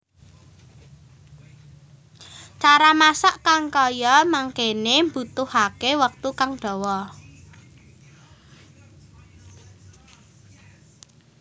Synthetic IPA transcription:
t͡ʃaɾamasaʔkaŋkɔjɔmaŋkenembut̪ʊhakewək̚t̪ukaŋɖ̥ɔ̤wɔ

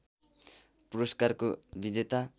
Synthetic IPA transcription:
puɾʌskarkobid͡zet̪a

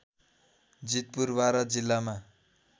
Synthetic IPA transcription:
d͡zit̪̚purbaɾʌd͡zilːama

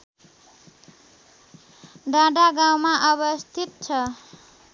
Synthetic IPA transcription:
ɖaɖaɡawmaʔʌβʌst̪ʰit̪̚t͡ʃʰʌ

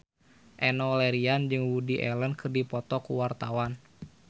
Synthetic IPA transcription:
ʔɛnɔlɛɾiand͡ʒɨŋwudiʔɛlənkɨrdipɔt̪ɔkuwart̪awan

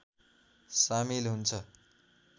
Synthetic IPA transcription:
samilɦunt͡sʰʌ

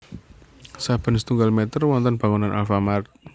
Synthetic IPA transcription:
sab̥ə̤nsə̥t̪uŋɡalmɛt̪ərwɔnt̪ɔnb̥a̤ŋunanʔa̰lfamart̪̚

